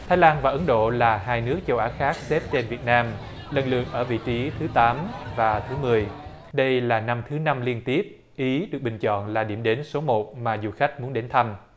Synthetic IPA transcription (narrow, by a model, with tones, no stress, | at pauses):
t̪ʰaː˨˦jlaː˧nvaː˨˩ʔə˨˦nɗo̰˧˨laː˨˩ɦaː˧jnɨ˦˥ək̚t͡ɕə˧wʔaː˨˦xaː˦˥k̚se˦˥p̚t͡ɕe˧nvi˨˩ət̚naː˧m | lə˨˩nlɨ̰˧˨əŋ̚ʔəː˧˩vḭ˧˨t͡ɕi˨˦t̪ʰɨ˨˦t̪aː˨˦mvaː˨˩t̪ʰɨ˨˦mɨ˨˩əj | ɗə˧jlaː˨˩na˧mt̪ʰɨ˨˦na˧mli˧ənt̪i˦˥əp̚ | ʔi˨˦ɗɨ˨˩ək̚ɓï˨˩ŋ̟t͡ɕɔ̰˧˨nlaː˨˩ɗi˧˩əmɗe˨˦nso˨˦mo˨˩t̚maː˨˩zu˨˩xa˦˥k̚mu˨˦ənɗe˨˦nt̪ʰa˧m